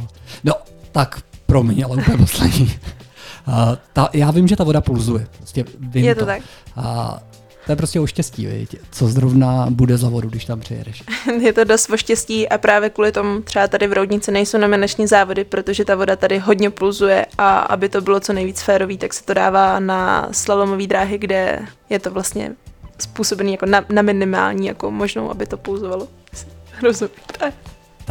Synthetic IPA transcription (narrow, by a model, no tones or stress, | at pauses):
not̪akpɾomɲɛalɛuppɛɲɛposlɛ̰ɲiː | t̪ajaːvɪmʒɛt̪avo̞dapulzujɛpɾoscɛvɪmjɛt̪ot̪akː | t̪ojɛpɾoscʲɛoʃcɛscḭːvɪ̰ct͡sozɾovnabudɛzavoduɡdɪʃt̪ampr̥ɪ̰jɛ̰dɛʃjɛt̪o̞dost̪vo̞ʃcɛsciːʔapɾaːvjɛkuːlɪt̪o̞mut̪r̥ɛbat̪adɪvɾowdɲɪt͡sɪnɛjsownomɪnat͡ʃɲiːzaːvo̞dɪpɾot̪o̞ʒɛt̪avo̞dat̪adɪɦo̞dɲɛpulzujɛ̰ʔa̰ʔa̰bɪt̪o̞bɪlo̞t͡so̞nɛjviːt͡sfɛːɾo̞viːt̪aksɛ̥t̪o̞da̰ːvaːna̰slalo̞moviːd̪ɾaːɦɪɡdɛ̰jɛt̪o̞vlast̪ɲɛ̰spuːso̞bɛniːjako̞nanamɪnɪma̰ːlɲiːjakomo̞ʒno̞̰wʔa̰bɪt̪o̞pulzovalo | sɪ̥ɾozumɛpɾaːvɛ